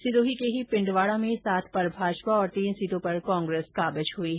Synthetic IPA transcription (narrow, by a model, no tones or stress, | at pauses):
sɪʈoːɦikeɦipɪ̃ɳɖʋaːɽamẽsaːt̪ʰpɐɾbʱaːd͡ʒpaɔːɾt̪iːnsiːʈõpɐɾkɔ̃ːŋɡɾeːskaːbəd͡ʒɦui